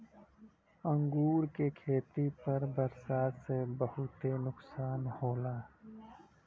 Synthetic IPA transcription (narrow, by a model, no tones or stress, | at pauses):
ə̃ŋɡuːɾkekʰeːt̪ipɐɾbəɾsaːt̪sebəɦʊt̪enʊksaːnhoːlaː